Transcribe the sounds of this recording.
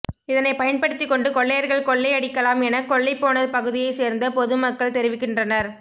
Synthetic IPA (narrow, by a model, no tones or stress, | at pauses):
ɪðɐnɐɪpɐjɐnpɐɽɯt̪ːɪkːɔɳɖɯkɔɭːɐjɐɾɣɐɭkɔɭːɐɪɐɽɪkːɐlaːmɛnɐkːɔɭːɐɪpːoːnɐðɯpɐɣɯðɪjɐɪseːɾnd̪ɐpɔðɯmɐkːɐɭt̪ɛɾɪʋɪkːɪndrɐnɐɾ